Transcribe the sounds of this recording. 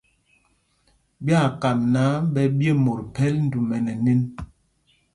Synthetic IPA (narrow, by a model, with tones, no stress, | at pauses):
bja˦˨ka˨mna˨˦bɛ˦bje˦mo˨ɾpɛ˦ln̩˦du˨mɛ˨nɛ˨ne˦n